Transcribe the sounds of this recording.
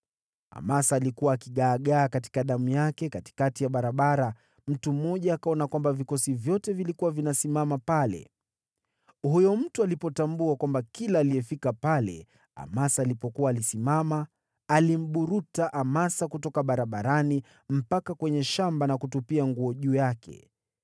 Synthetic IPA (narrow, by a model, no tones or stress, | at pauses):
a̰masaːlikuwaːkiɠaːɠaːkati̥kaɗamujakɛkati̥katijaɓaɾaɓaɾa | m̩tum̩ːɔʄaːkaɔnakwambavikɔsivjɔtɛvilikuwavinasimamapalɛ̰ | hujɔm̩tualipɔtambuakwambakilaːliɛfikapalɛ̰ | a̰masaːlipɔkuwaːlisimama | alim̩ɓuɾutaʔamasakutɔkaɓaɾaɓaɾani | m̩pakakwɛɲɛʃambanakutupiaŋɡuɔʄuːjakʰɛ̰